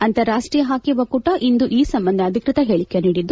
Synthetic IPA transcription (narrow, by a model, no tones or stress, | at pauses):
ɐnt̪ɐɾaːʂʈɾiːjɐɦaːkiʋɐkuʈɐʔind̪uʔiːsɐmbɐnd̪ʱɐɐd̪ʱikɾɪt̪ɐɦeːɭikːeniːɽid̪ːu